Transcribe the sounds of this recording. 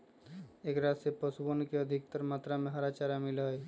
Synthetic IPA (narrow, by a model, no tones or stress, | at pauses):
eːkɾaːsepəsbənkeəd̪ʱɪkt̪əɾmaːt̪ɾamẽɦəɾat͡ʃaɾamɪlaɦi